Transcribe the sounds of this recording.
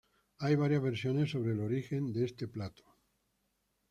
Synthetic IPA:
ajβ̞aɾjazβe̞ɾsjo̞ne̞sːo̞β̞ɾelo̞ɾixe̞nd̪eest̪e̞plat̪o̥

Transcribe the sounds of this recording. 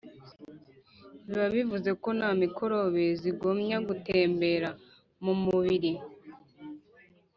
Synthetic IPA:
βaβivuze̞ko̞namikʰo̞ɾo̞βe̞ziɡomɲaɡute̞ːmbe̞ɾa | mumuβiɾi

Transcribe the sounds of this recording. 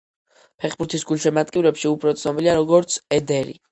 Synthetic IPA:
pʰɛχbuɾt̪ʰisɡulʃɛmat̪ʼkʼivɾɛpʃiupʰɾɔt̪sʰnɔbiliaɾɔɡɔɾt̪sʰɛd̪ɛɾḭ

